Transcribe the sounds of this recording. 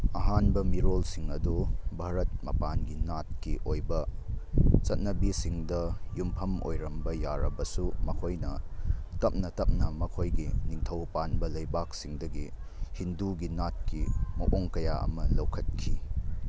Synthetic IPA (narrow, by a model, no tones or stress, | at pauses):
ɐɦanbɐmiɾolsiŋɐdubʱaɾɐt̚mɐpanɡinat̚kiʔojbɐ | t͡ʃɐt̚nɐbisiŋdɐjumpʰɐmo̰jɾɐmbɐjaɾɐbɐsumɐkʰojnɐtɐp̚nɐtɐp̚nɐmɐkʰojɡiniŋtʰɐwpanbɐlɐjbak̚siŋdɐɡi | hinduɡinat̚kimɐʔoŋkɐjaɐ̰mɐlɐwkʰɐt̚kʰi